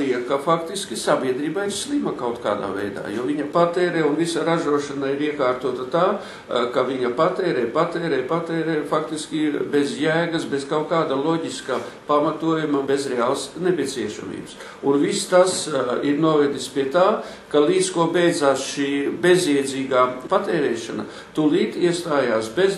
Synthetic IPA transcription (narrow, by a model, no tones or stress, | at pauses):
liɛkafakt̪iskʲisabʲiɛd̪ɾiːbaiɾslˠimɐkawt̪ka̰ːd̪a̰ːvɛjd̪a̰ːjoːviɲɐpat̪ɛːɾɛːunvisaɾaʒuɔʃɐnaiɾiɛkaːɾt̪uɔt̪ɐt̪aː | kaʋiɲɐpat̪ɛːɾɛːpat̪ɛːɾɛːpat̪ɛːɾɛːfakt̪iskʲibezjæːɡɐsbezkawkaːd̪ɐlˠɔɟʲiska | pamat̪uɔjumɐbezɾeaːlˠsnepʲiɛt̪siɛʃa̰mḭːbs | unvist̪asiɾnuɔvɛd̪ispiɛt̪aː | kalˠiːt̪skuɔbɛjd̪zaːsʃiːbeziɛd̪zʲiːɡaːpat̪ɛːɾɛːʃa̰na̰ | t̪ulˠiːt̪iɛst̪aːjaːsbʲez